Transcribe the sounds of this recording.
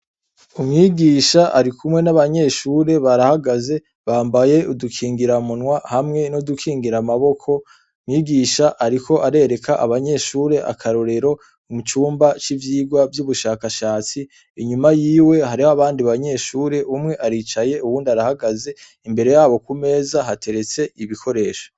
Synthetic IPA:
umŋiɡiːʃaʔaɾikumŋe̞naβaɲe̞ʃuːɾe̞βaɾahaɡaze̞ | βaːmbaje̞udukʰiːŋɡiɾamunwahamŋe̞nodukʰiːŋɡiɾamaβo̞kʰo̞ | mŋiːɡiːʃaʔaɾikʰo̞ʔaɾe̞ɾe̞kʰaʔaβaɲe̞ʃuːɾe̞ʔa̰kʰaɾoɾe̞ɾo̞ | umut͡ʃuːmbat͡ʃivjiːɡwavjuβuʃaːkaʃaːt͡siː | ɲumajiːwe̞ɦaɾihoaβaːndiβaɲe̞ʃuːɾe̞ʔumŋe̞ʔaɾit͡ʃaje̞ʔuβuːndiaɾahaɡaze̞ | imbe̞ɾe̞jaːβo̞kume̞ːzaɦatʰe̞ɾe̞t͡se̞iβikʰo̞ɾe̞ːʃo

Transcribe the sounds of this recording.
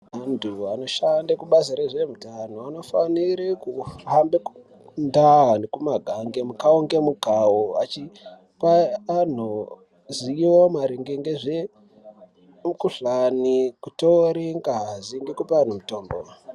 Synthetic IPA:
ɦandʱuano̞ʃandakuɓaziɾeʐemutanoano̞faniɾikuambeku | ndanekumaɡʱaŋɡemukaoŋɡe̞mukawoat͡ʃi | paːn̤o | ziwomaɾiŋɡeŋɡeʐe | mukuɬanikutoɾeŋɡaziŋɡekupian̤umuto̞ːmbo

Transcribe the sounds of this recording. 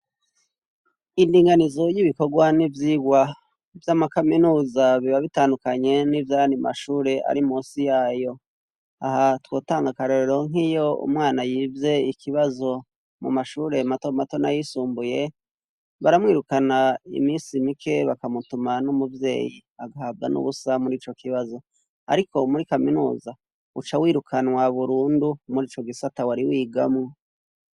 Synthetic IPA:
indiːŋɡanizo̞jiβiko̞ɡwanivjiːɡwa | vjamakaminuːzaβiβaβitaːndukaɲe̞nivjaːjandima̰ʃuːɾe̞ʔa̰ɾimuːsijaːjo̞ | ahatwo̞ːtaːŋɡakaɾo̞ɾeɾo̞ŋ̥ɦijo̞ṵmŋaːnajiːvje̞ikʰiβazo̞ | mṵmaʃuːɾe̞matomato̞najisuːmbuje̞ | βaɾamwiːɾukanaḭmiːnsimikʰe̞βakamutumanumuvje̞̰ːjiaɡahaːb̚ɡanṵβusamuɾiːt͡ʃo̞kiβazo̞ | a̰ɾiko̞muɾikaminṵːza | ut͡ʃawiːɾukʰanwaβuɾuːndumuɾiːt͡ʃo̞ɡisatawaɾiwiːɡamŋo

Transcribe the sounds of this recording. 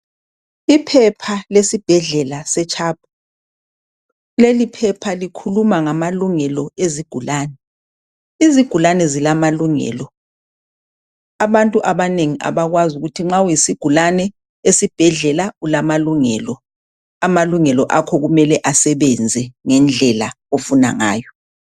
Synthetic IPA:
ipʰɛpʰalesib̥ʱɛɮɛlasɛt͡ʃʼʰaːb̥̚ʰʱu̥ | lelipʰɛpʰalikʰulumaŋamaluŋɛlɔeziɡ̥ʱulaːnɛ | iziɡ̥ʱulanɛzilamaluŋɛ̰ːlɔ | aβantʼuʔaβaneŋiʔa̰βaɣwazuɣutʰiŋ͡ǁawjisiɡ̥ʱulanɛ | esib̥ʱɛɮɛlaulamaluŋɛːlɔ | amaluŋɛlɔʔakʰɔɣumɛlɛʔasɛβɛnd͡zʱɛŋɛnd͡ɮʱɛla̰ | ofuna̰ŋa̰ːjɔ

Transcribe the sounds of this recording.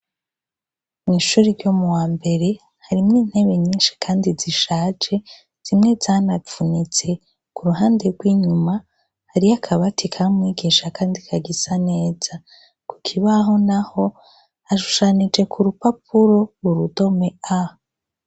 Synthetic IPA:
mŋiːʃuːɾiɾɟomuwaːmbe̞ɾe̞ | haɾimŋiːn̥he̞βeɲiːnʃi̥kʰaːndiziʃaːd͡ʒe̞ | z̥imŋe̞zaːnafunit͡se̞ | kuɾuɦaːnde̞ɾɡwiːɲuma | haɾiakʰaβatʰikʰamŋiːɡiʃakaːndikʰaɡisane̞ːz̥a | ku̥kʰiβaɦo̞naho̞ | aʃu̥ʃanid͡ʒe̞kʰuɾupapʰuɾo̞βuɾudo̞mea

